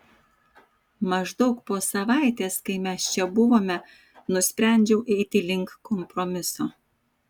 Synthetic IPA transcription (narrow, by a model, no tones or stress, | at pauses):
mɐʒd̪ɔʊkpoːsɐʋɑˑɪt̪ʲeːskɐɪmʲɛst͡ʃʲɛbʊʋoːmʲɛ | nʊsʲpʲɾʲæˑnʲd͡ʒʲɛʊʔt̪ʲɪlʲɪŋˑkkːʰɔmpɾɔmʲɪsoː